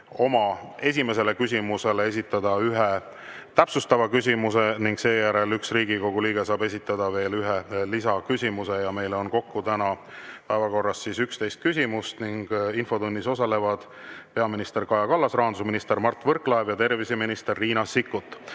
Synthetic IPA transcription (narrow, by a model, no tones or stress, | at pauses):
o̞mɑe̞s̬ʲime̞s̬e̞lekysʲimuse̞lees̬ʲit̪ːˑɑd̪̥ɑyɦe | t̪æpsust̪ɑvɑkys̬ʲimuse̞niŋɡse̞ːjæɾe̞lyksriːɡiko̞ɡ̥uliːɡ̥esɑːbe̞sit̪ːˑɑd̪̥ɑve̞ːlyɦelisɑkysʲimuse̞jɑme̞jleo̞nko̞kːut̪ænɑpæevɑko̞rːɑst̪sisykst̪e̞jst̪̚kysʲimust̪niŋɡ̥info̞d̪unʲːiso̞sɑle̞vɑd̪̥ | pe̞ɑminist̪e̞rkɑjɑkɑlːɑsrɑːɑnd̪usminist̪e̞rmɑrt̪ːˑvɤrkˑlɑevjɑt̪e̞rviseminist̪e̞rːiːnɑsikːut̪ːˑ